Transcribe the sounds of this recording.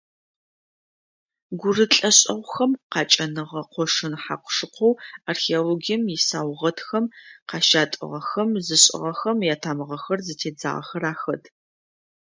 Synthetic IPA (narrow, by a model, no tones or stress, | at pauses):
ɡʷʊrɨɬʼɐɕʼɐʁʷxɐmqɑːt͡ʃʼɐnɨʁɐqʷɔʂɨnħa̰qʷʂɨqʷʰɔwarxeoloɡijɛmjɪsaːwʁɐtxɐmqɑːʃaːtʼɨ̰ʁɐxɐmzɨɕʼɪ̰ʁɐxɐmjaːtʰaːmɨʁɐxɐrzɨtʰeːd͡za̰ːʁɐ̰xɐɾaːxɐd